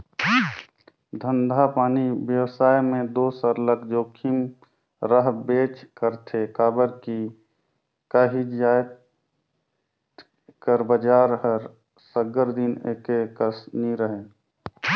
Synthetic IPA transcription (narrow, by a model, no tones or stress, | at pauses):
d̪ʱə̃nd̪ʱapaːnibjəwsaːjmẽd̪oːsəɾləkd͡ʒoːkʰim | ɾəɦbeːt͡ʃkəɾt̪ʰekaːbəɾki | kaɦid͡ʒaːjt̪ | kəɾbəd͡ʒaːɾɦəɾ | səɡəɾd̪inekekəsniɾəɦeː